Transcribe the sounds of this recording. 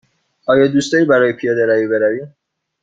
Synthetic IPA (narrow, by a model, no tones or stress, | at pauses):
ʔɒːjɒːd̪uːst̪ɒːɾiːbæɾɒːjepʰijɒːd̪eɾæviːbeɾæviː